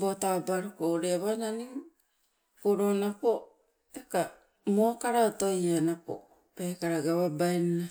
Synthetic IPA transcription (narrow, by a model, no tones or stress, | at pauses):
botabaɾokoɾeaβananiŋ | koɾonapo | eka | mokaɾaotojanapo̰ | pe̞kaɾaɡaβabaenna